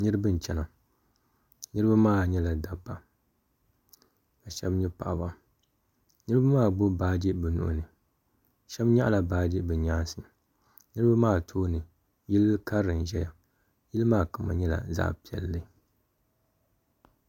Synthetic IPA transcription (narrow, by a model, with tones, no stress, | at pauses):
nɨ˦ɾɨ˦bɨ˦n̩˨t͡ʃɛ˦na˨ | nɨ˦ɾɨ˦ba˦maː˦˨ɲɛ˦la˨da˨bːa˨ | ka˨ʃɛ˦bɲɛ˦pa˨ʔa˨ba˦ | nɨ˦ɾɨ˦ba˦maː˦˨ɡ͡bo˦baː˦d͡ʒi˦bɨ˨nʊ̰˨ʔʊ̰˨nɨ˨ | ʃɛ˦bɲa̰˦ʔla˨baː˦d͡ʒi˦bɨ˨ɲaː˦nsɨ˨ | nɨ˦ɾɨ˦ba˦maː˦˨tʰoː˦nɨ˨ | ji˦lka˦ɾɨ˨n˨ʒɛ˦ja˨ | ji˦lɨ˦maː˦˨ka˨ma̰˨ɲɛ˦la̰˨za̰˦pi˨ɛ̰˨lːɨ˦